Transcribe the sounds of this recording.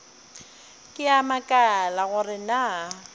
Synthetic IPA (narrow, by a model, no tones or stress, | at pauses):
kʼɪamakʼalaɣʊrɪna